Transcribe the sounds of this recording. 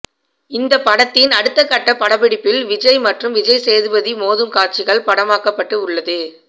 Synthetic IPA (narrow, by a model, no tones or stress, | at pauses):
ɪnd̪ɐpːɐɽɐt̪ːɪnɐɽɯt̪ːɐkːɐʈːɐpɐɽɐbɪɽɪpːɪlʋɪd͡ʒɐɪmɐʈrɯmʋɪd͡ʒɐɪseːðɯbɐðimoːðɯmkaːɾt͡ʃɪɣɐɭpɐɽɐmaːkɐpːɐʈːɯʊɭːɐðɯ